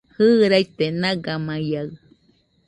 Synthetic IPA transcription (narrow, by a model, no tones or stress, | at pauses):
hɯːɾajt̪enaɡamaja